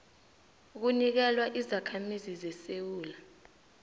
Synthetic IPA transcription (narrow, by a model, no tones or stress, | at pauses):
uk̬unik̬ɛlwaʔizakʰamizizɛsewuːla